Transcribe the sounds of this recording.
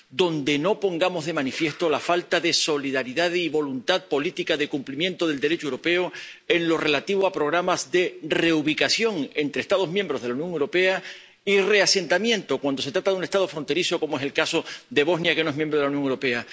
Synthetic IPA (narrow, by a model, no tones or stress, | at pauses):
d̪o̞nd̪e̞no̞po̞ŋɡamo̞zðe̞manifje̞st̪o̞lafalt̪aðe̞so̞liðaɾiðaðiβo̞lunt̪aðpo̞lit̪ikaðe̞kumplimje̞nt̪o̞ðe̞ld̪e̞ɾet͡ʃowɾo̞pe̞oe̞ŋlo̞re̞lat̪iβ̞oapɾo̞ɣ̞ɾamazðe̞re̞uβ̞ikasjo̞ŋe̞nt̪ɾest̪að̞omjembɾo̞zðe̞launjõ̞ŋewɾo̞pe̞a | ire̞ase̞nt̪amjẽ̞nt̪o̞kwand̪ose̞t̪ɾat̪aðunest̪að̞o̞fɾo̞nt̪e̞ɾiso̞komoe̞selkaso̞d̪e̞β̞o̞znjakenoe̞ɦmjembɾolaunjoŋewɾo̞pe̞a